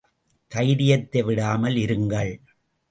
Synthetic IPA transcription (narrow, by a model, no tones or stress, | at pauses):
kɐɪɾɪjɐt̪ːɐʋɪɽaːmɐlɪɾɯŋɡɐɭ